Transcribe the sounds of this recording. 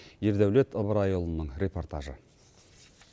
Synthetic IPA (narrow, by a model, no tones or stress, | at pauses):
je̞ɾd̪æwlet̪ʰəlˠbəɾɑjolˠənəɴɾʲe̞po̞rt̪aʒə̰